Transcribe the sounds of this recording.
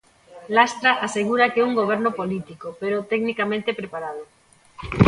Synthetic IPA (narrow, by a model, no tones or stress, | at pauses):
last̪ɾaʔaseɣ̞uɾakeuŋɡoβ̞ɛɾnopolit̪ikopeɾot̪ɛɡnikamẽnt̪epɾepaɾað̞o